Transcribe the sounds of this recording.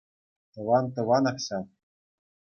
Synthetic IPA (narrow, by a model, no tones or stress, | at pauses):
t̪ɤ̆ʋɑnt̪ɤ̆ʋɑnɑχɕɑ